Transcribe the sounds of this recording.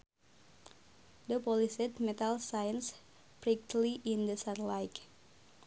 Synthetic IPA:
d̪əpɔlisɪt̪̚mɛt̪alsajə̃ns | pɾik̚tliʔĩndəsatlajk

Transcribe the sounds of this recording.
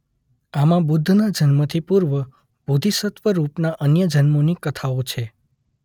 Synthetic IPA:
amãbʊd̪ʱːnad͡ʒənmət̪ʰipuɾʋə | b̥ʱud̪ʱisət̪ʋəɾupnaʔənjəd͡ʒənmonikət̪ʰaot͡ʃʰe

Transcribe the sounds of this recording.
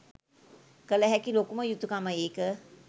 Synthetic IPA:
kələɦɛkilokuməjut̪ukaməeːkə

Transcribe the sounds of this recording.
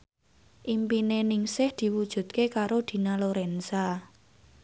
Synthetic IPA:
ʔimpinenɪŋsɪhd̪̥i̤wud̥ʒ̥ṳt̪̚kekaɾod̪̥i̤naloɾɛnsa

